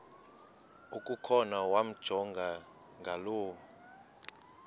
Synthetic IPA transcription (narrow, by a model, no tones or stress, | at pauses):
ukʼukʰɔnawam̩d̥ʒ̥ʱɔŋɡʱa | ŋɡʱaloːw